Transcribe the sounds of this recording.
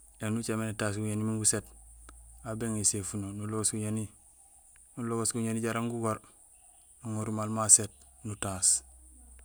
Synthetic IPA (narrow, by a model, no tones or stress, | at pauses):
janut͡ʃamenetas̬ɡuɲanimiŋɡuset | abeŋesefunonuloɡosɡuɲani | nuloɡosɡuɲaniɟaɾaŋɡuɡoɾ | nuŋoɾumalmaset̚nutaːs